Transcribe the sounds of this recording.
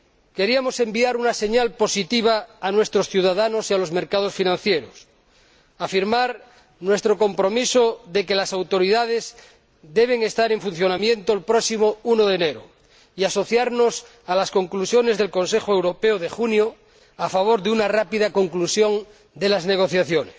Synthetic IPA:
ke̞ɾiamo̞se̞mbiaɾunase̞ɲalpo̞sit̪iβ̞aːnwe̞st̪ɾosθjuðaðano̞sialo̞zme̞ɾkað̞o̞sfinãn̟θjeɾos | afiɾmaɾ | nwest̪ɾo̞ko̞mpɾo̞misoðe̞ke̞lasawt̪o̞ɾiðað̞e̞z | d̪e̞β̞e̞ŋe̞st̪aɾe̞ɱfun̟θjo̞namjẽ̞nt̪oelpɾoksimounoðeːneɾo̰ | iaso̞θjaɾno̞s | alasko̞ŋklusjo̞ne̞zðe̞lko̞nse̞xoewɾo̞peoðexunjo | afaβ̞o̞ɾðeunarapiðako̞ŋklusjo̞n | d̪e̞lazneɣ̞o̞θjaθjo̞ne̥s

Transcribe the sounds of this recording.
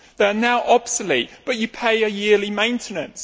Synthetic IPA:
ðənaʊʔɒb̥səliˑʔb̥ʌt͡ʃəpʰeɪəjɪəlimẽɪ̃ntʰɪnə̃ns

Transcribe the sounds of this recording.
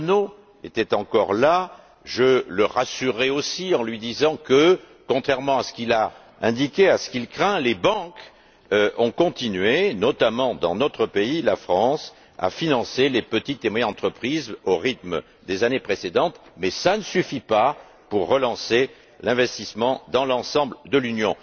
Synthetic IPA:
no | et̪ɛt̪ɑ̃kɔʁla | ʒələʁasyʁːɛosiɑ̃lɥid̪izɑ̃kə | kɔ̃t̪χɛʁmɑ̃asə̥kila | ɛ̰̃d̪ikʲeasə̥kilkχɛ̃lebɑ̃k | ʔɔ̃kɔ̃t̪inɥenɔt̪amɑ̃d̪ɑ̰̃nɔt̪χəpeilafχɑ̃s | a̰finɑ̃selepət̪it̪emwajɛɑ̃t̪χəpχizoʁit̪m | d̪ezanepχesed̪ɑ̃t̪mɛsanəsyfipa | puʁːəlɑ̃se | lɛ̃vɛst̪ismɑ̃d̪ɑ̃lɑ̃sɑ̃bld̪əlynjɔ̃

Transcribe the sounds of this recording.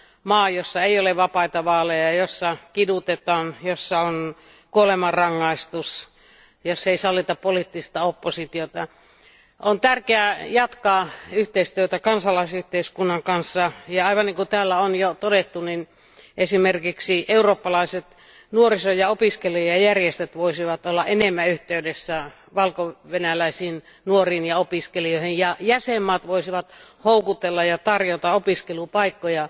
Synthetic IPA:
mɑːjosːɑeijoleʋʋɑpɑit̪ɑʋɑːlejɑjosːɑkidut̪et̪ɑːnjosːɑon | kuolemɑrɑŋːɑist̪us | josːeisɑlːit̪ɑppolit̪ːist̪ɑopːosit̪iot̪ɑ | ont̪ærkeæjɑt̪kɑːyht̪eist̪yøt̪ækɑnsɑlɑisyht̪eiskunːɑŋkɑnsːɑjɑɑiʋɑnniŋkut̪æːlːæonjot̪odet̪ːunin | ʔesimerkiksieuroːpːɑlɑiset̪ | nuorisojɑopiskeliojjɑjærjest̪øt̪ʋoisiʋɑt̪olːɑʔenemːæyht̪eydesːæ | ʋɑlkoʋenælæisiːn | nuoriːnjɑopiskelioˑihinjɑjæsemːɑːt̪ʋoisiʋɑt̪houkut̪elːɑjɑt̪ɑrjot̪ɑopiskelupɑikːojɑ

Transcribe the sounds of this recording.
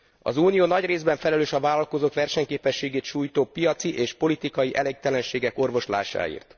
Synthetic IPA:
ɒ̰zuːnijoːnɒɟreːzbɛɱfɛlɛløːʃɒvaːlɒlko̞zoːkʋɛrʃɛɲkeːpɛʃːeːɡeːt̪ʃuːjt̪oːpijɒt̪siʔeːʃpo̞lit̪ikɒjiʔɛlek̚t̪ɛlɛnʃeːɡɛko̞rvo̞ʃla̰ːʃa̰ːḭːrt̪

